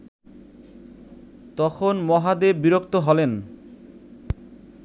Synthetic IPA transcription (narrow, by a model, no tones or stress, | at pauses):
t̪ɔkʰonmɔɦad̪ebbiɾokt̪oɦɔlen